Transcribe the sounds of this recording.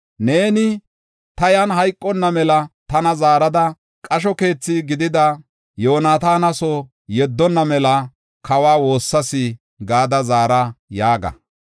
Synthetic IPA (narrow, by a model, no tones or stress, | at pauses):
ne̞ːnɪ | t̪ɐjanɦɐjkʼːɔnːɐmɛlɐt̪ɐnɐzaːɾɐd̪ɐ | kʼɐʃ̬ɔke̞ːt͡sːɪɡɪd̪ɪd̪ɐ | jo̞ːnaːt̪aːnɐsɔ | jɛd̪ːɔnːɐmɛlɐ | kɐwaːwo̞ːsːɐsɪ | ɡaːd̪ɐzaːɾajaːɡɐ̰